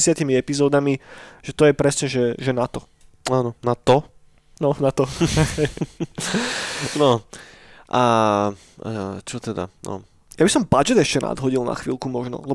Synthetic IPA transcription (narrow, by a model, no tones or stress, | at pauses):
sɪat̪imiɛpizɔːd̪amiʒ̥ɛt̪ɔjɛpɾɛsɲɛʒɛʒɛnat̪ɔ | aːnɔnat̪ɔ | nɔnat̪ɔɛ | nɔ | ʔa | at͡ʃɔt̪ɛd̪a̰nɔ̰ | jabisɔmbad͡ʒɛd̪ɛʃcɛnʔa̰d̪ɦɔɟilˠna̰xʋḭːlˠkumɔʒnɔ̰lɛ